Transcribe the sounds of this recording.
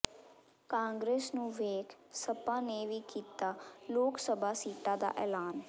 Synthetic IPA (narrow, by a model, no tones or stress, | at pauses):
kãːŋɡɾeːsnũːʋeːkʰsəpãːneːʋiːkiːt̪aːloːksəbʱaːsiːʈaːd̪a̰ːʔɛːlaːn